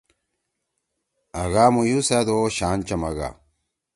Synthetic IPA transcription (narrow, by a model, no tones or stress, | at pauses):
ɐɣaːmujusad̪oɕaːnt͡ɕɐmɐɡa̰